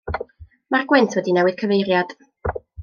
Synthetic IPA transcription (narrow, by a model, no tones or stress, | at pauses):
marɡwɪntʰwɛdinɛwɨð̥kʰəvejɾjad̥